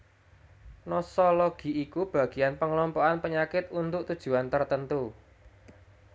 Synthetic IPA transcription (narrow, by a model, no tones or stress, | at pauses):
nɔsɔlɔɡ̥i̤ikub̥ä̤ɡ̥i̤anpəŋlɔmpɔanpəɲakɪt̪unt̪ʊʔt̪ud̥ʒ̥ṳant̪ərt̪ənt̪u